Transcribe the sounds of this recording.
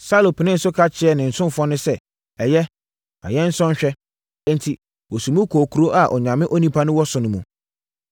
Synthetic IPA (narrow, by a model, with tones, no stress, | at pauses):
sa˦lo˨pʰɪ˨nɪ̃˦n̩˨sʊ˦kʰa˦t͡ɕʰɪ˨˦ɛ˦˨nɪ̃˨n̩˨sʊ̃˦m˦fɔ˦nʊ̃˦sɛ˦ | ɛ˨jɛ˦ | a̰˨jɛ˦n̩˦sɔ̃˦ɲ˦ɕᶣɛ˦ | ɛ̃˦n̩˨tʰi˨ | wɔ˨sũ˨mũ˦kʰoː˨kʰu˨ɾo˦ʔa˨ʔɔ̰˨ɲã˨mɪ̃˦ʔo˦nĩ˦pʰa˦nʊ̃˦wɔ˦sʊ˨nʊ̃˨mũ˨